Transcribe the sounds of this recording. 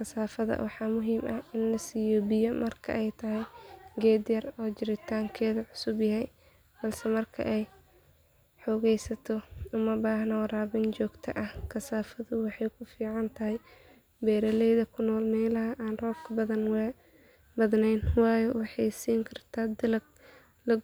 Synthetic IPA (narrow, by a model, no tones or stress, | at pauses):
kʰɐsaːfɐðɐ̰wɑħɑːmʊɦiːmʔɐɪnlɐsiːjɔbɪjɐmɐrkʰɐ̰ʔɛjt̪ʰɐɦɛjɡɛːd̪jɐrɔːd͡ʒɪɾɪt̪ʰaːŋkʰɛːðɐʕʊsʊbjɐɦɛj | b̥ɐlsɛmɐrkʰɐ̰ʔɛj | ħɔɣɛjsɐt̪ʰɔʊmɐbaːhnɔɾaːβɪnt͡ʃɔːɡt̪ʰɐʔɐhkʰɐsaːfɐðʊwɑħɑjkʰʊfiːʕɑnt̪ʰɐɦɛj | bɛːɾɐlɛjðɐkʰʊnɔːlmɛjlɐɦɐʔaːnrɔːb̚kʰɐbɐðɐn | bɐðnɛjnwɑːjɔwɑħɑjsiːŋkʰɐrt̪ʰaːd̪ɪlɐɡ̚ | lɐ